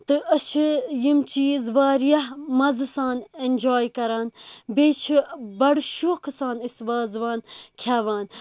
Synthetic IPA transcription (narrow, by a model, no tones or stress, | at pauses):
t̪ɨʔɐt͡ʃʰijimt͡ʃiːzʋaːɾjɐɦmɐzɨsaːnenʲd͡ʒoːjkɐɾaːnbeːt͡ʃʰibɐɽʃoːkʰɨsaːnisʋaːzʋaːnkʲʰaːʋaːn